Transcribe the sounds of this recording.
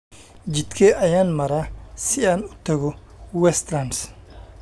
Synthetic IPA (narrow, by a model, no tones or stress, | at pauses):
d͡ʒɪd̪kʰɛːʔɐjaːnmɐɾaːsɪaːnʊt̪ɐɣɔ | wɛst̪ɾɐns